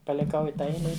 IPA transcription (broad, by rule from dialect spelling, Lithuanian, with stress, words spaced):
pɐlʲɪˈkɐʊ ɪ ˈtɑː ˈɛɪlʲɛ ˈɪ